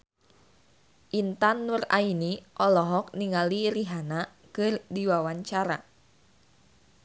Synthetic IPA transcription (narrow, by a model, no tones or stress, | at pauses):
ʔint̪anːura̰iniʔɔlɔɦɔk̚niŋaliɾiɦana | kɨrdiwawaɲt͡ʃaɾa